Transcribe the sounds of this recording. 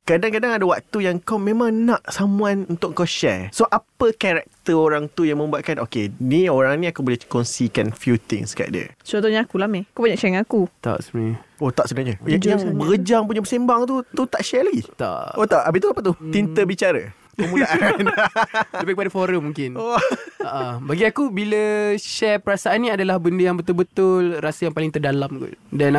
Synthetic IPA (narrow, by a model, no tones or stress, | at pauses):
kadaŋkadaŋadawak̚t̪ujaŋkawmẽmãŋnaʔsamwanunt̪ʊkʔŋkawʃɛ̰ɹsoʔapəkaɾɛk̚t̪əoɾaŋt̪ujaŋmə̃mbuat̪ʔ̪̚kanʔokenioɾaŋnĩakubolekɔnsikanfjut̪ɪ̰̃ŋska̰ʔdə̰t͡ʃɔnt̪oɲaakulamẽakubaɲãʔt͡ʃɛɛŋakut̪a̰ʔsiot̪aʔsəənaɲəjajabəɡəd͡ʒaŋp̬uɲəbəsembaŋt̪ut̪ut̪aʔʃɛlaɡit̪a̰ʔoaʔabit̪ubapaʔ̪t̪uint̪əbit͡ʃaɾə̰ | kəmuaʔan | əbəkəpadəfoɾəmːuŋkɪnaʔabaɡiakubiləʃɛpəɾasaanːĩadalahbəndəjaŋbət̪ʊlbət̪ʊlrasəjaŋpalɪŋt̪ərdalamkṵdana